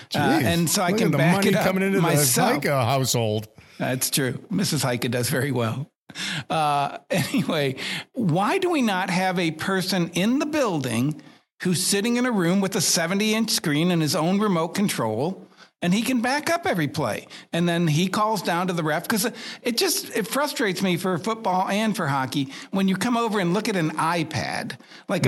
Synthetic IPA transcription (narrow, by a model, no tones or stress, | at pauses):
ɨ̃nsoʊaɪkɨ̃nbæʌ̃kɨɾʌʌmɪ̃ŋɪ̃ntɨmaɪsɛaɪfkəhaʊshoʊlˠd̥ðæ̰tstʰɹ̥ʉmɪsɨz̥haɪkɨdʌzvɛɹiwɛ̰lˠ | ʌɛniweɪwaɪdəwinət̚ɦɨvɨpʰɜ˞sɨ̃nɪ̃nðəbɪlˠdɪ̰̃ŋ | hʉz̥sɪɾɪ̃ŋɨ̃nɨɹʉ̃mwɨðɨsɛvɨ̃ntiɪ̃nt͡ʃskɹĩnɨ̃nɨzõʊ̃nɹɨmoʊt̚kʰn̩tʰɹ̥oʊlˠɨ̃nikɨ̃nbækʌpɛvɹipʰl̥ḛɪɨ̃nðɨ̃nikʰɔlˠzdãʊ̃ntɨðɨɹɛfkʰʌzɨt̚d̥ʒ̥ʌstɨtfɹʌstɹ̥eɪtsmifə˞fʊt̚b̥ɔlˠɨ̃nfə˞ɦɑkiwɨ̃njɨkʰʌ̃moʊvə˞ɨ̃nlʊkɨɾɨ̃naɪpʰæ̰d̥ | laɪk